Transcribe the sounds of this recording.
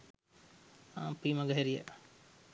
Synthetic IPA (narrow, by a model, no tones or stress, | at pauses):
apiːmɐɡəɦeɾijə